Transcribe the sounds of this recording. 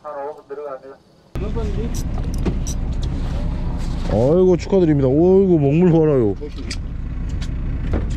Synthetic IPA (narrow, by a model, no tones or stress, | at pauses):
ʌiɡot͡ɕʰu̥kʰadɯɾimɲidaoiɡomʌŋmuɭʌɾajo